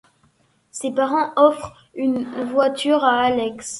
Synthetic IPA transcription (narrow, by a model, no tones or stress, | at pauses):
sepaʁɑ̃ɔfχ | ynvwat̪yʁaːlɛks